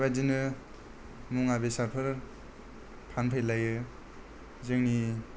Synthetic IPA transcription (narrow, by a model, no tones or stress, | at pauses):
bajdinɯ | muŋabesaɾpʰɯɾ | pʰanpʰajlajɯ | zɯŋni